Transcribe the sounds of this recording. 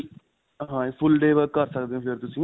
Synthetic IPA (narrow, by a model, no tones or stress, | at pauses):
ɦãːpʰʊlɖeːʋəɾəɾsəkd̪eːɦõpʰɪɾt̪ʊsĩː